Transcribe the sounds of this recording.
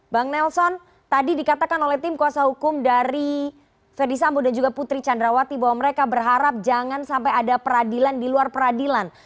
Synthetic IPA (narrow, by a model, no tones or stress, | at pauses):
baŋnɛlsɔn | t̪adidikat̪akanolɛht̪ɪmkuasahukʊmdaɾi | fɛrdis̬ambodand͡ʒuɡaput̪ɾit͡ʃandɾawat̪ibaɦwaməɾekabərɦaɾap̚d͡ʒaŋansampajadapəɾadilandiluarpəɾadilan